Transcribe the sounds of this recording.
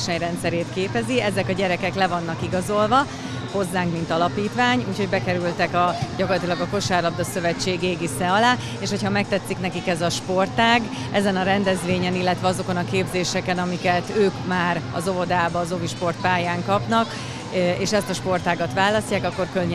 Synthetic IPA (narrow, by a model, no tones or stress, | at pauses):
ʃɛɲrɛnt̪sɛɾeːt̪keːpɛziɛzɛkɒɟɛɾɛkɛklɛvɒnːɒkiɡɒzo̞lvɒ | ho̞zːaːŋkmint̪ɒlɒpiːt̪ʋaːɲuːcho̞ɟbɛkɛɾylt̪ɛkɒɟɒkorlɒt̪iːlɒɡɒko̞ʃaːrlɒbd̪ɒsø̞vɛt͡ʃːeːɡeːɡisɛɒlaː | eːʃho̞chɒmɛk̚t̪ɛt̪sːiknɛkikɛzɒʃpo̞rt̪aːɡ | ʔɛzɛnɒɾɛnd̪ɛzʋeːɲɛnilːɛt̪ʋɛɒzo̞konɒkeːbzeːʃɛkɛnɒmikɛt̪øːkmaːɾɒ̰zo̞vo̞d̪aːbɒːzo̞viʃpo̞rt̪̚paːjaːŋkɒpnɒk | eːʃɛst̪ɒʃpo̞rt̪aːɡɒt̪ʋaːlɒscːaːkɒkːo̞rkølɲ